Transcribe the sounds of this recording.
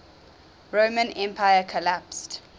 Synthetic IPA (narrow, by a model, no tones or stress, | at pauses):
ɹoːmə̃nɛ̃mpʰajəkʰɔlapst